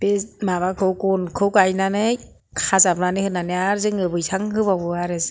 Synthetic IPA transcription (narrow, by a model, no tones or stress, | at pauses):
b̥emaβakʰɯwkɔnkʰɯwkajnanɯj | kʰazap̚nanɯhɯnanɯaɾzɯŋɯbɯjsʰaŋɦɯbabɯaɾɯs